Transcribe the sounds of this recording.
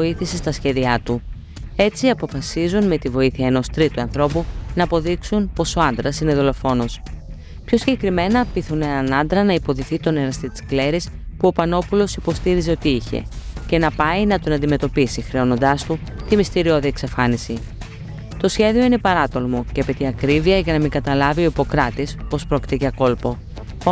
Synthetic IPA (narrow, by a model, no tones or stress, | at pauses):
oiθisest̪ɐsçe̞ðiɐt̪u | e̞t͡siɐpo̞fɐsizunme̞t̪ivo̞iθiɐeno̞st̪ɾit̪uɐnθɾo̞punɐːpo̞ðiksunpo̞so̞ɐnd̪ɾɐsine̞ðo̞lo̞fo̞no̞s | pço̞siɲɟekɾime̞nɐpiθunenɐnɐnd̪ɾɐnɐipo̞ðiθit̪o̞ne̞ɾɐst̪it̪si̥kle̞ɾispuo̞pɐno̞pulo̞sipo̞st̪iɾize̞o̞t̪iiçe̞̰ce̞nɐpɐinɐt̪onɐnd̪ime̞t̪o̞pisixɾe̞o̞no̞nd̪ɐst̪u | t̪imist̪iɾio̞ðie̞ksɐfɐnisi | t̪o̞sçe̞ðio̞inepɐɾɐt̪o̞lmoceɐpet̪iɐkɾiviɐʝɐnɐmiɡɐt̪ɐlɐvio̞ipo̞kɾɐt̪ispo̞spɾo̞ci̥t̪ecɐko̞lpo̞